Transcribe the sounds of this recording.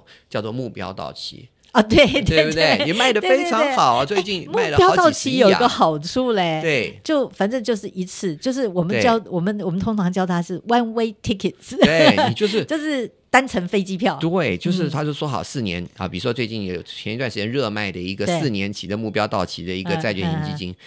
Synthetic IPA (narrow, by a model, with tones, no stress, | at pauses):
t͡ɕjɑ˥˧ʊt͡swɔ˥˧mu˥˩pjɑ̰˥ʊt̪ɑ̰˥˩ʊt͡ɕʰḭ˥ | ɐ˧˩t̪we˥˩ɪt̪e˥˩˥e˥˩i˨˩ma˥˩ɪd̪ə˩˥˧e˥˧ɪtʈ͡ʂʰɑ˧˩wŋ˥˩ɑ˨˩ʊ˦t͡swe˥˧ɪt͡ɕi˥˩n˨mua˥˩˥ɪlə˨pjʊ˧˥t̪ɑ˥˩ʊ˨t͡ɕʰi˧˥jo˨˩ʊi˥ɡə˧˦xɑ˨˩ʊʈ͡ʂʰu˥˩le˨˩ɪt̪we˥˩ɪɪt͡ɕjo˥˩ʊfa˨˩nʈ͡ʂɤ˥˧ŋt͡ɕjo˥˧ʊʂɻ̩˥˩ʔi˧˥t͡sʰɹ̩˥˩t͡ɕjo˥˧ʊʂ̬ɻ̩˥˩wɔ˨˩mə˦n˥t͡ɕjɑ˥ʊwɔ˨˩mə˦nwɔ˨˩mə˦nt̪ʰʊ˥ŋʈ͡ʂʰɑ˧˥ŋt͡ɕjɑ˥˧ʊt̪ʰa˥ʂɻ̩˥˩wa˥nwe˥ɪt̪ʰi˥kʰə˨˩ts̩˨˩we˥˩˨t͡ɕjo˥˧ʊʂɻ̩˥˩t͡ɕjo˥˧ʊʂɻ̩˥˩ | t̪a˥nʈ͡ʂʰə˧˥ŋfe˥ɪt͡ɕi˥pʰjɑ˥˩ʊt̪we˥˩ɪt͡ɕjo˥˧ʊʂ̬ɻ̩˥˩t̪ʰa˥t͡ɕjo˥˧ʊswɔ˥xɑ̰˨˩ʊsɹ̩˥˩njɛ̰˧˥nɐ̰˧pi˨˩ɻu˥˩ʂɔ˥t͡swe˥˧ɪt͡ɕi˥˩njɛ˧˥jo̰˨˩ʊ˨˩t͡ɕʰjɛ˧˥ni˧twa˥nʂɻt͡ɕjɛ˥˧nɻɤ˥˧ma˥˩ɪd̪ə˩i˧˥ɡə˧esɹ̩˥˩njɛ˧˥nt͡ɕʰḭ˨d̪ə˦mu˥˩pjɑ˥ʊt̪ɑ˥˩ʊt͡ɕʰḭ˧˥d̪ə˧i˧˥ɡə˧t͡sa˥˧ɪt͡ɕɥɛ̰˥˩ɕi˧˥ŋt͡ɕi˥t͡ɕḭ˥n